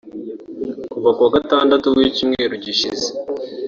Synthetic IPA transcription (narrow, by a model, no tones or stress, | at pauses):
kuvakwaɡataːndatuɡicimŋe̞ɾuɟiʃize̥